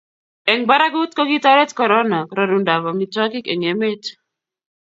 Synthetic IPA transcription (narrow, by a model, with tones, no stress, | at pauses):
ɛ˨ŋba˦ɾa˦ɡu˦t̚ko˦ɡi˦ta˦ɾɛ˦tkɔ˨ɾɔ˦na˨ɾɔ˨ɾu˨nda˨bɔ˨mi˨tɔ˦ki˦ke˨ŋe˨me˦t